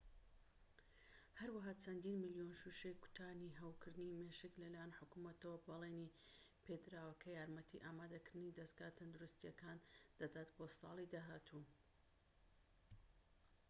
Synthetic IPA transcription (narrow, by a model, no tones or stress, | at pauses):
hɐɾwaɦaːt͡sʰɐnd̪iːnmɨljonʃuʃejkʊ̥t̪ʰaːniɦɐwkɨɾd̪ɨnimeːʃɨklɐlajanħʊkumɐt̪ɐwɐbɐlˠeni | pʰed̪ɾaːwɐkʰɐjaːɾmɐt̪ʰḭʔaːmaːd̪ɐkɨɾd̪ɨnid̪ɐsɡaːt̪ʰɐnd̪uɾust̪ijɐkand̪̥ad̪aːt̪bosɑ̰ːlˠid̪aːɦaːt̪ʰu